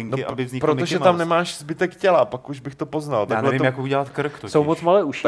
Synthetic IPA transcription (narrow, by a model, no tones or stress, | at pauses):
ɪŋnoɪʔa̰bɪvzɲɪpɾot̪oʒɛt̪amnɛmaːʃzbɪt̪ɛkcɛlapakuʒbɪxt̪opo̞znalt̪anlɛvɪmjakouɟɛlat̪kɾ̩kt̪osowmot͡smalɛːʔuʃ